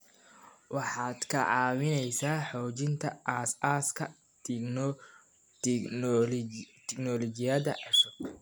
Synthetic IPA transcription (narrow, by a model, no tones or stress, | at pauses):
wɑħɑːd̪̥kʰɐʕɑːwɪnɛjsaːħɔːt͡ʃɪnt̪ʰɐʔaːsʔaːskʰɐ | t̪ʰnɔ | t̪ʰɪknɔlɔt͡ʃɪjɐðɐ̰ʕɛʃɔɡ